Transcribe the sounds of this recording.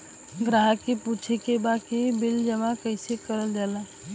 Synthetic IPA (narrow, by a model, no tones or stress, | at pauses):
ɡɾaɦəkeput͡ʃʰekebakibild͡ʒəmakəɪsekəɾəld͡ʒala